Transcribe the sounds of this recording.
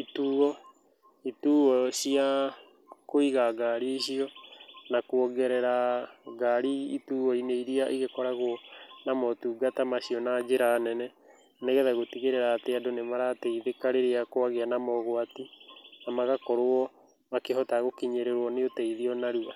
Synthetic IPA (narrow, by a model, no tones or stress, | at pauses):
ituːɣɔ | ituːɣɔɕia | koiɣaɡaɾiɕiɔnakwɔɡɛɾɛɾaɡaɾiituːɣɔineiɾiaʔiɣekɔɾaɣonamɔtuːɡatamaɕiɔnad͡ʒeɾaːnɛnɛ | neɣɛðaɣotiɣeɾeɾaːteadonemaɾateiðekaɾeɾeakoaɣeanamɔɣwatinamaɣakɔɾoɔ | makeɦɔtaɣokiɲeɾeɾwɔneotɛiðiɔnaɾua